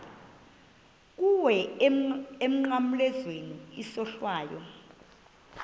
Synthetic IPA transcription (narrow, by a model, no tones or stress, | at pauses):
k̬uwɛ | em̩ŋ͡ǃam̩lɛzwenuisɔɬwaːjɔ̰